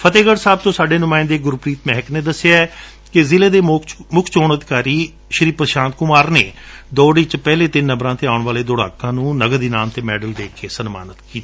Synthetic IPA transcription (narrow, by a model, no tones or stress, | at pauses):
pʰət̪eːɡəɽsaːb̚t̪õːsaːɖeːnʊmaːɪ̃nd̪eːɡʊɾpɾiːt̪mɛːɦkneːd̪əsɪjaːɛ | kɪzɪleːd̪eːmʊkʰt͡ʃoːɳəd̪ɪkaːɾiː | ʃəɾiːpəɾəʃãːnt̪kʊmaːɾneːd̪oːɖiːt͡ʃpɛːleːt̪ɪnːəbɾãːt̪eːaːʊɳʋaːleːd̪ʊɽa̰ːkãːnũːnəɡəd̪iːnaːmt̪eːmɛːɖəld̪eːkʰeːsənma̰ːnət̪kiːt̪iː